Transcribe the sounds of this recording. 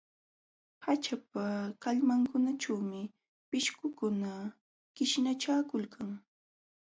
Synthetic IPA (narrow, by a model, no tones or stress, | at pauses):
hat͡ʃap̚akaʎmaŋkʊnat͡ʃawmɪ | pɪʃkʊkʊna | kɪʃnat͡ʃaːkʊlkʰaŋ